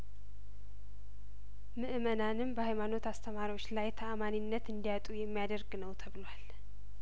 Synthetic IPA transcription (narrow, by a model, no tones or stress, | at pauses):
mɨʔɨmənanɨmbəhajmano̞t̪ast̪ʰəmaɾiwo̞t͡ʃːlajt̪ʰəʔamaninːət̪ɨnd̪ijat̪ʼujɛmːijad̪əɾɡnəwt̪ʰəβɨlwal